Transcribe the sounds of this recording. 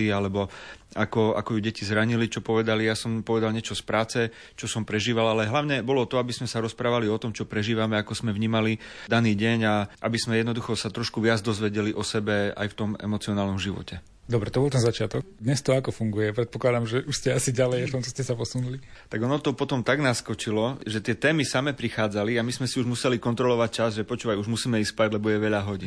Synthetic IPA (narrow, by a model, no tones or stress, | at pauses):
ialɛbɔakɔa̰kɔjuɟɛcizɾaɲilit͡ʃɔpɔʋɛd̪alijasɔmpɔʋɛd̪alɲɪɛt͡ʃɔspɾaːt͡sɛ | t͡ʃɔsɔmpɾɛʒiːʋalalɛɦlaʊɲɛbɔlɔt̪ɔabizmɛsaɾɔspɾaːʋaliɔt̪ɔmt͡ʃɔpɾɛʒiːʋamɛakɔz̥mɛʋɲiːmalid̪aniːɟɛɲaʔa̰bizmɛjɛd̪nɔd̪uxɔsat̪ɾɔʃkuʋɪad͡zd̪ɔzʋɛɟɛliʔɔsɛbɛa̰jft̪ɔmɛ̰mɔt͡siɔnaːlnɔmʒiʋɔ̰cɛ | d̪ɔbɾɛt̪ɔbɔlt̪ɛnzat͡ʃɪat̪ɔkd̪ɲɛst̪ɔakɔfuŋɡujɛpɾɛt̪̚pɔklad̪amʒɛʔuʃscɛasiɟalɛjft̪ɔmt͡ʃɔscɛsapɔsunulit̪aɡɔnɔt̪ɔpɔt̪ɔmt̪aɡnaskɔt͡ʃilɔʒɛt̪ɪɛt̪ɛːmisamɛpɾixaːd͡zaliamismɛsiuʒmusɛlikɔnt̪ɾɔlɔʋac̚t͡ʃazʒɛpɔt͡ʃuːʋajuʒmusiːmɛispaɟlɛbɔjɛʋɛʎaɦɔɟin